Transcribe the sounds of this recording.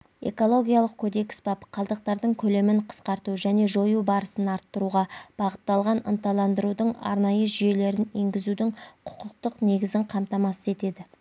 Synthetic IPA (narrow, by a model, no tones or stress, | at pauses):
e̞̰ko̞lˠo̞ɡʲijɑlˠəq̚kʲʰod̪e̞ksbɑpqʰɑlˠd̪əq̚t̪ɑɾd̪əɴkʲʰɵle̞mɪɴqʰə̥sqɑɾt̪uʒæne̞ʒo̞jubɑɾəsənɑɾt̪ːəɾuʁɑb̥ɑʁət̪ːɑlˠʁɑnə̰nt̪ɑlˠɑnd̪əɾud̪əɴɑ̰ɾnɑjəʒʏje̞le̞ɾɪne̞ŋɡʲɪzud̪ɪŋqʰʊ̥qəq̚t̪əqne̞ɡʲɪzɪɴqʰɑmt̪ɑmɑsəze̞t̪e̞d̪ɪ